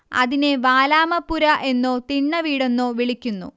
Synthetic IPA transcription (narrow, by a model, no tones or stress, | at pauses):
ɐ̰ðineʋaːlaːmɐpːuɾɐʔe̞nːoːt̪iɳːɐʋiːɽenːoːʋiɭikʲːunːṵ